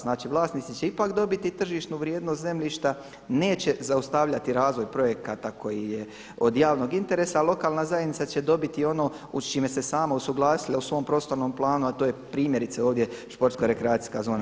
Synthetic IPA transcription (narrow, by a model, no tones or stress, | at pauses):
znaːt͡ʃiʋlˠaːsnit̪sit͡ɕe̞ipakd̪o̞bit̪it̪r̩ʒiːʃt̪nuʋɾjeːd̪nost̪ze̞mʎiːʃt̪a | ne̞ːt͡ɕe̞zaust̪aʋʎat̪iɾaːzʋojpɾo̞je̞kat̪akʰo̞jije | o̞d̪jaːʋno̞ɡint̪e̞ɾe̞ːsaːlˠo̞kaːlˠnazajenitsat͡ɕe̞d̪o̞bit̪io̞no̞ː | ut͡ʃime̞se̞saːmausuɡlˠaːsilausʋo̞ːmpɾo̞ːst̪o̞ɾnomplˠaːnuat̪ojepɾiːmjeɾit̪seo̞ːʋd̪je̞ʃpo̞ɾt̪skoɾe̞kɾeaːt̪i̥skazo̞ːna